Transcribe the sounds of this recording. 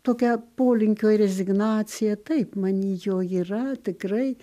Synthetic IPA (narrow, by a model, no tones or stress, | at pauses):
t̪oːkʲɛpoːlʲɪŋʲkʲoːɾʲɛzʲɪɡnɑːt̪sʲɪjɛt̪ɐɪpmɐnʲijoːiːrɐt̪ʲɪkɾɐɪ